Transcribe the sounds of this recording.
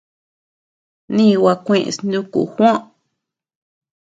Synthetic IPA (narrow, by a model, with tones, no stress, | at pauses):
nĩ˦˧wa˧kʷẽ˧ʔsnũ˦kṵ˨xʷõ˦ʔ